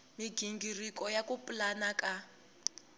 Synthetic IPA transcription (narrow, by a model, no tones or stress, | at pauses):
miɡiŋɡirikɔjakupulanakʼa